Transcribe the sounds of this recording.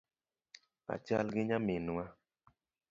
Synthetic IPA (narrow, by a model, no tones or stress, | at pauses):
a̰t͡ʃalɡiɲamenua